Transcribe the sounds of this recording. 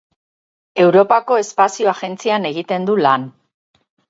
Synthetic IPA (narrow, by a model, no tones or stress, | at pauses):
e̞wɾo̞pako̞e̞spasio̞aɣe̞nt͡siane̞ɣit̪e̞nd̪ulan